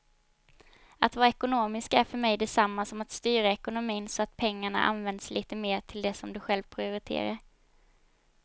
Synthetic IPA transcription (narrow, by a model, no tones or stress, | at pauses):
at̪vɑːɾaɛkʊnoːmɪskaæɾfœɾmɛjd̪ɛsamːasɔmat̪st̪yːɾaɛkʊnʊmiːnsɔat̪̚pʰɛŋːaɳa̰ʔa̰nvɛnd̪sliːt̪əmeːʈʰɪld̪ɛsɔmd̪ɵɧɛlvpʰɾɪʊɾɪt̪ʰḛːɾaɾ